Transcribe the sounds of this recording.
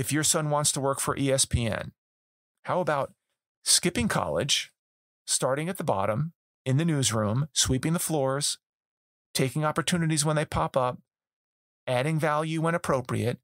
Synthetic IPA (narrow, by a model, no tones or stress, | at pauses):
ɨfjə˞sʌ̃nwɑ̃ntstʰəwɜ˞kfə˞ʔiɛspʰiɛ̰̃n | haʊəbaʊt̚ | skɪpɪ̃ŋkʰɑ̰lˠɪ̰d̥ʒ̥ | stɑɹɾɪ̃ŋɨt̪̚ðəbɑ̰ɾə̃m | ɨ̃nðɨnʉzɹũmswipɪ̃ŋðəflɔɹz̥ | tʰeɪkɪ̃ŋɑpə˞tʰʉnɨɾizwə̃nðeɪpʰɑpʌp̚ | æɾɪ̃ŋvælˠjʉwə̃ñəpʰɹ̥oʊpɹḭɨt̚